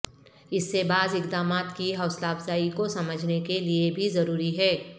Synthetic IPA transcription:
ɪsːebaːzɪkd̪aːmaːt̪kiɦɔːslaːfzaːikosɐməd͡ʒʱnekeliebʱizɐɾuːɾiɦɛː

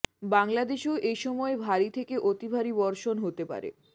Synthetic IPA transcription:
baŋlad̪eʃoʔejʃɔmɔebʱaɾit̪ʰekeʔot̪ibʱaɾibɔɾʃonɦot̪epa̰ɾḛ

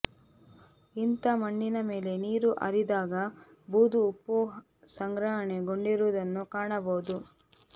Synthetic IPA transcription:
int̪ɐmɐɳːinɐme̞ːle̞niːɾuʔɐ̰ɾid̪aːɡɐ | buːd̪uːpːu | sɐŋɡɾɐɦɐɳe̞ɡoɳɖiɾuʋd̪ɐnːukaːɳɐboːd̪u

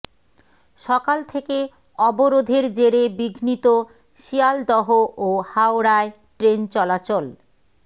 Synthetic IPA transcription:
ʃɔkalt̪ʰeke | ɔboɾod̪ʱeɾd͡ʑeɾebiɡʱnit̪o | ʃiald̪ɔɦoʔohawɾae | ʈɾent͡ɕɔlat͡ɕol

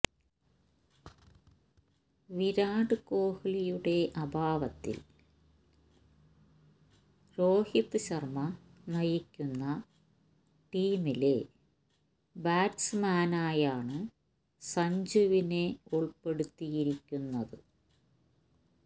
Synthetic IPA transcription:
ʋiɾaːɖɨko̞ːhilijuɽe̞ʔɐbʱaːʋɐt̪ːḭl | ro̞ːhit̪ːɨɕɐrmɐnɐjikʲːunːɐ | ʈiːmile | baːʈsmaːnaːjaːɳɨ | sɐɲd͡ʑuʋine̞uɭpe̞ɽut̪ːijiɾikʲːunːɐðɨ

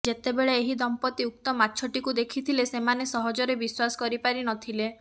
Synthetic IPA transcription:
d͡ʒet̪ebeɭeeɦid̪ɔmpɔt̪iuk̚t̪ɔmatːt͡ʃʰɔʈikud̪ekʰit̪ʰilesemanesɔɦɔd͡ʒɔɾebiswasɔ̥kɔɾipaɾinɔt̪ʰile

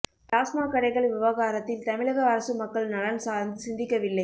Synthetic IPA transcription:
ʈaːsmaːkɐɽɐɪɣɐɭʋɪʋɐɣaːɾɐt̪ːɪlt̪ɐmɪɻɐɣɐɐɾɐsɯmɐkːɐɭnɐlɐnsaːɾnd̪ɯsɪnd̪ɪkːɐʋɪlːɐɪ

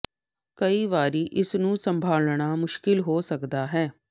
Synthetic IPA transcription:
kəiːʋaːɾiːʔɪsnũːsəmbʱaːlɳ̃aːmʊʃkɪlɦoːsəkd̪aːɦɛː

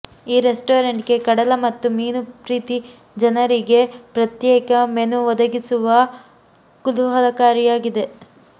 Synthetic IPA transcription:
iːɾesʈoːɾeɳʈɡe̞kɐɽɐlɐmɐt̪ːumiːnupɾiːt̪i | d͡ʒɐnɐɾiɡe̞pɾɐt̪jɛːkɐmenuʋɔd̪ɐɡisuʋɐ | kuluɦɐlɐkaːɾijaːɡid̪e̞

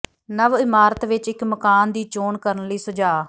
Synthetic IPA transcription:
nəʋɪmaːɾət̪ʋɪt͡ʃɪkməkaːnd̪iːt͡ʃoːnkəɾənləiːsʊd͡ʒaː

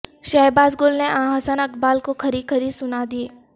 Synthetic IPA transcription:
ʃaːjbaːzɡʊlneʔãːɦəsənɐkbaːlkokʰɐɾikʰəɾisʊnad̪ie

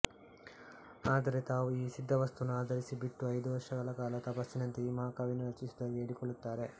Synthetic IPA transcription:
aːd̪ɐɾe̞t̪aːʋuiːsid̪ʱːɐʋɐst̪unuaːd̪ʱɐɾisibiʈːuɐjd̪uʋɐɾʂɐɡɐɭɐkaːlɐt̪ɐpɐsːinɐnt̪eiːmaːkaːʋinuɾɐt͡ʃːisid̪ɐɡeːɽikoɭːut̪ːaːɾe̞

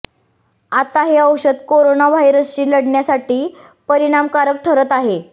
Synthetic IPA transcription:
at̪aɦeəwɕəd̪koɾonaʋajɾəst͡ɕiːləɽɳjasaʈiː | pəɾiɽ̃amkaɾək̚t̪ʰəɾət̪aɦe

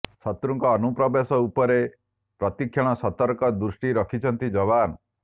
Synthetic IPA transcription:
sɔt̪ɾuŋkɔːnupɾɔbesɔupɔɾe | pɾɔt̪ikʰjɔɽ̃ɔsɔt̪ɔɾkɔd̪ɾusʈiɾɔkʰit͡ʃʰɔnt̪id͡ʒɔβanɔ

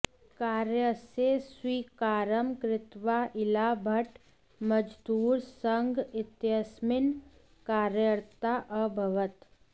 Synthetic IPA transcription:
kaːɾjəseswiːkaːɾəmkɾɪt̪ʋaːʔɪlaːbʱəʈ | məd͡ʒd̪uːɾsəŋɡɪt̪jəsmɪn | kaːɾjəɾt̪aʔəbʱɐʋət̪

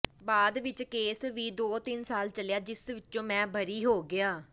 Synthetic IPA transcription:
baːd̪ʋɪt͡ʃkeːsʋiːd̪oːt̪ɪnsaːlt͡ʃəlejaːd͡ʒɪsʋɪt͡ʃːõːmɛ̃ːbʱəɾiːɦoːɡɪaː

